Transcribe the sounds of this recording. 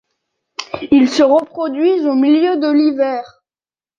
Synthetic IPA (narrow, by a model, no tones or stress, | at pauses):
ilsəʁəpχɔd̪ɥizomiljød̪əlivɛːʁ